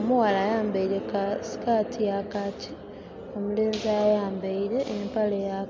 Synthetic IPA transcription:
omuwalajaːmbaiɾekasi̥katʰijakaci̥ | o̞muleːnziajaːmbaiɾe̞ʔːmpaleja

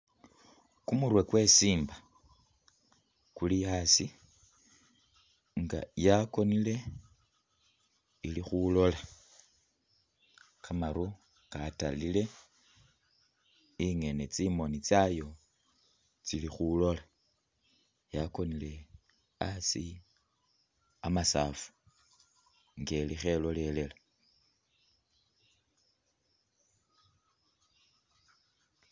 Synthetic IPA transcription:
kumuɾwe̞kwe̞siːmba | kuliasi | ŋɡa̰jako̞nile̞ | ilixulo̞la | kamaɾu | kata̰lile̞ | iŋe̞net͡simo̞nit͡sajo̞ | t͡silixulo̞la | jako̞nile̞ | asi | amasaːfu̥ | ŋɡe̞lixe̞lo̞le̞le̞la

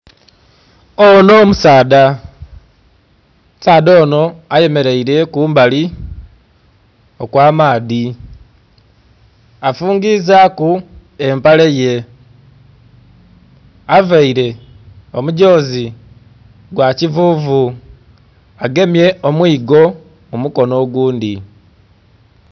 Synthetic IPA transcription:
ono̞musaːda | saːðo̞ːno̞aje̞me̞ɾe̞iɾe̞kuːmbali | okwaːmaːði | afuːŋɡizakue̞mpaleje̞ | avaiɾe̞ | o̞muɟo̞ːzi | ɡwacivuːvu | aɡe̞mje̞omwiːɡo̞ | mumuko̞no̞ːɡuːndi

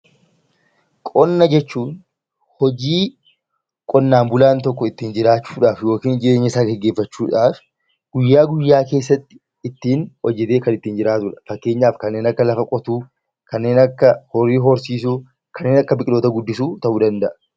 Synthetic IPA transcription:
kʼɔnːɐd͡ʒɛt͡ʃːuːn | hɔd͡ʒiː | kʼɔnːaːmbʊlaːnt̪ɔkːɔɪt̪ːiːnd͡ʒɪɾaːt͡ʃːu̥ːᶑaːfjo̞ːkiːnd͡ʒɪeːɲːɐɪsaːɡɛɡːe̞ːfːɐt͡ʃːuːᶑaːf | ɡ̥ʊjːaːɡʊjːaːke̞ːsːɐt̪ːɪ̥ | ɪt̪ːiːnwɔd͡ʒːɛt̪e̞ːkɐnɪt̪ːiːnd͡ʒɪɾaːt̪ʊᶑɐ̥fɐkːe̞ːɲːaːfkɐnːe̞ːnɐkːɐlɐfɐkʼɔt̪uː | kɐnːe̞ːnɐkːɐhɔrːiːɦɔɾsiːs̬uː | kɐnːeːnɐkːɐbɪkʼɪlo̞ːt̪ɐɡʊd̪ːɪsuːt̪ɐʔuːd̪ɐnd̪ɐʔɐ̥

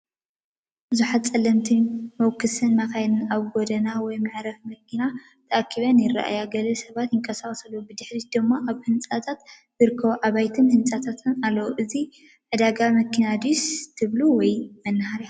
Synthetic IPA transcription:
bɨzuħat̪̚t͡sʼːɐlːɐmt̪ʰimɐwkʰːɨsɨnmakajnɨnaβɡod̪ɐnawɔjmaʕɾɐfmɐkʰːina | t̪ʰɐʔakʰːiβɐnjɪra̰ʔa̰jaɡɐlɐsɐβat̪jɪŋkʼɐsaχʼsɐlːubɨd̪ɨħɾid̪ɨmːaʔaβhɨnt͡sʼat̪ʰat̪ | zɨɾɨkʰːɐβuʔaβajt̪ʰɨnhɨnt͡sʼat̪ʰat̪ʰɨnalːɐwuʔɨzi | ʕɨd̪aɡamɐkʰːinad̪ust̪ʰɨβluwɔjmɐnːɐhaɾia

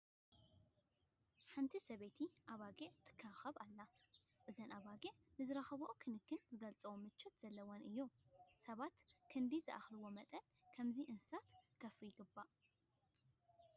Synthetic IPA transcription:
ħant̪ʰisɐβet̪ʰiʔaβaɡet̪ʰɨ̥kʰːaxɐβalːaʔɨzɐnʔaβaɡenɨzɨɾɐxɐβɐʔokʰɨnɨkʰːɨnzɨɡɐlt͡sʼɐwomɨt͡ʃːot̪z̥ɐlːɐwonʔɨjːusɐβat̪kʰɨnd̪izɨʔa̰xlɨwo̞mɐt̪ʼɐn | kʰɐmziʔɨnssat̪kʰɐfɾijɪɡɨbːaʔ

